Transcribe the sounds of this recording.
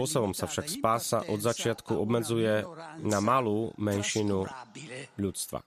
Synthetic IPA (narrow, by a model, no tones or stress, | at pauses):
ɔsɔbɔmsafʃakspaːsa̰ʔɔd̪zat͡ʃɪat̪kuʔɔbmɛd͡zujɛnamaluːmɛnʃinu | ʎut͡st̪ʋa̰